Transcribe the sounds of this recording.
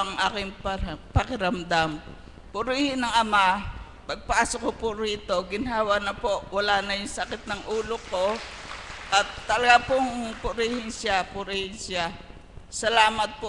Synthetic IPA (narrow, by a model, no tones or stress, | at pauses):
ɐŋʔaːkɪŋpɐpɐkɪɾɐmd̪am | pʊɾiːhɪnɐŋʔɐma | pɐɡ̚pɐʔaːsokopʊɾiːt̪o̞ɡɪnɦaːwɐnɐpoʔwɐlaːnɐjʊŋsɐkɪt̪̚nɐŋʔuːloko̞ | ʔɐt̪ːɐlɐɡapoŋpʊɾiːhɪnʃapʊɾihɪnsa | sɐlaːmɐt̪̚po